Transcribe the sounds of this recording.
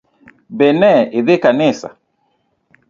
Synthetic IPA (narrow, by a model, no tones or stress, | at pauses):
bɛnɛɪðɪkanɪsa̰